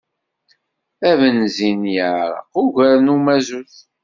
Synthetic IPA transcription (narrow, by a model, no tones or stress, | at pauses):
ævənzinjəʕɾˤə̰qʊʝʷəɾnumæzuθ